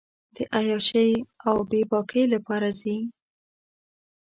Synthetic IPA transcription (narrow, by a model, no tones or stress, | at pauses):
d̪̥əʔajɑʃəjawbebɑkʰəjlapɑɾazi